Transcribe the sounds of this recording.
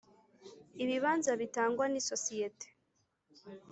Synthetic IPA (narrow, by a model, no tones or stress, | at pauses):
iβiβaːnzaβitaːŋɡwanisosijete̥